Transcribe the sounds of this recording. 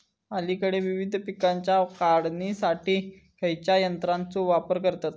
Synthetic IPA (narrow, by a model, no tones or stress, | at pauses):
alikəɽeʋiʋid̪ʱpikaɲt͡ɕjakaɽnisaʈiː | kəjt͡ɕjajənt̪ɾant͡soʋapəɾkəɾt̪at̪